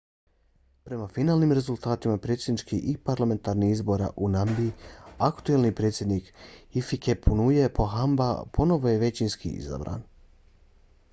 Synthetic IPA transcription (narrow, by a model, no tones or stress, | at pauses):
pɾe̞mafinaːlnimɾe̞zulˠt̪aːt̪imapɾe̞ːt̪sʲjed̪nit͡ʃkiipaɾlame̞nt̪aɾniizbo̞ɾa̰ʔunambiakt̪ue̞lˠnipɾe̞ːt̪sjed̪nikifikepʰunujepʰo̞ɦamba̰pʰo̞no̞ʋojeʋe̞t͡ɕinskḭḭza̰bɾa̰ːn